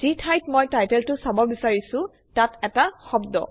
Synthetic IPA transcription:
z̥itʰajtmɔjtajtɛltʊsabɔbisaɹisʊ̃ | tatɛtaxɔbdɔ̰

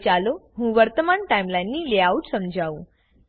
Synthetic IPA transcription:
t͡ɕaloɦũːʋəɾt̪əmaɳʈaimlajnːiːleauʈsəmd͡ʑʱaũ

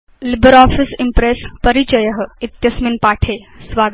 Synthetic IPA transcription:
libəɾɔːfisimpɾeːspɐɾit͡ʃɐjɐɦə̆it̪jɐsminpaːʈʰeː | sʋaː

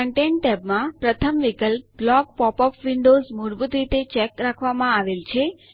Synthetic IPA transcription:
əɳʈẽɳʈɛbmãpɾət̪ʰəmʋikəlp̚blɔk̚pɔpɔfʰʋiɳɖozmoɾbut̪ɾit̪et͡ʃɛkɾakʰʋamãaʋelt͡ʃʰe

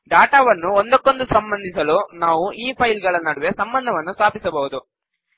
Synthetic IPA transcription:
ɖaːʈaːʋɐnːuond̪ɐkːo̞nd̪usɐmbɐnd̪ʱisɐluːnaːʋuiːpʰɐjlɡɐɭɐnɐɽuʋesɐmbɐnd̪ʱɐʋɐnːust̪aːpisɐbɐɦud̪u

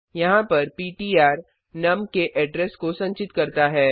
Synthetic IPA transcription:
jɐɦãpɐɾpiːʈiːaːɾ | nɐmkeʔɛːɖɾɛskosɐ̃ɲt͡ʃɪt̪kɐɾt̪aɦɛː

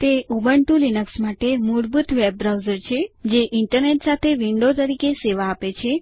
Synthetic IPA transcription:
t̪eʔubəɳʈulinəksmaʈemuɾbut̪ʰʋeb̚ːɾawzəɾt͡ʃʰed͡ʒeʔɪɳʈəɾneʈsat̪ʰeʋiɳɖot̪əɾikeseʋaːpet͡ʃʰe

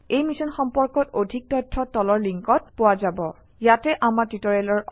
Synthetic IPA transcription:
ejmisɔnxɔmpɔɹkɔtodʱik̚tɔjtʰːɔtɔlɔɹliŋkɔt̚pʊwazabɔ | jatɛʔamaɹtitɔɹɛlɔɹ

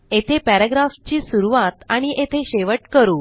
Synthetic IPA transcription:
et̪ʰepæɾaɡɾaft͡ɕiːsuɾuʋat̪aɽ̃iʔet̪ʰeɕeʋəʈkəɾuː

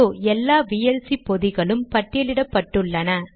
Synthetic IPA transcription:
oːɛlːaːʋiːjɛlsipɔðɪɣɐɭɯmpɐʈːɪlɪɽɐpːɐʈːɯɭːɐnɐ

